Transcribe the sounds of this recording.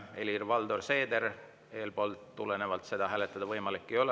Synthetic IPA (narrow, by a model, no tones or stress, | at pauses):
e̞lirvɑld̪o̞rse̞ːd̪eɾ | e̞ːlpo̞ːlt̪ːulene̞vɑlt̪se̞d̪̥ɑɦæːle̞t̪ːˑɑd̪̥ɑvɤjmɑlikːijo̞l